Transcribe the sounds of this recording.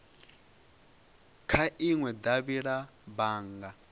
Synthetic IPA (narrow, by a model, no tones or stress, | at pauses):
kʰaʔiŋwɛd̪aβiɺabaːŋɡa